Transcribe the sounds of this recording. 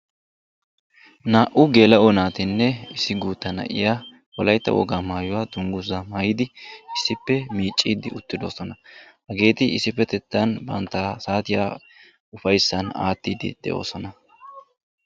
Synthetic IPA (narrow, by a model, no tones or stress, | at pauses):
naːʔʊɡe̞ːlɐɔnaːt̪ɪnːɛɪsɪɡuːt̪ːɐnɐ̰ʔɪ̰jaː | wɔlɐjt̪ːɐ̰wɔ̰ɡaːmaːjʊwaːd̪ʊŋɡʊzɐmaːjɪd̪ɪʔɪsːɪpːɛmiːt͡ʃʼːiːd̪ɪʊt̪ːɪd̪o̞ːsɔnɐhɐɡe̞ːt̪ɪɪsɪpːɛt̪ɛt̪ːɐnbɐ̰nt̪ːasaːt̪ɪja̰ː | ʊfɐjsːɐna̰ːt̪ːiːd̪ɪ̰d̪̥ɛ̰ʔo̞̰ːsɔnɐ